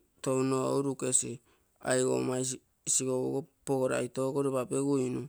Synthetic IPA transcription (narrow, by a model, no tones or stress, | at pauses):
townoowɾuke̞si | a̰jɡo̰maj | siɡoβṵɡopoɡoɾa̰jto̞ɡoɾeβapeɡuinu